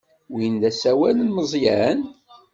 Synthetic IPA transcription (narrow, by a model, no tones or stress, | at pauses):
wind̪æsæwælənməzˤjæn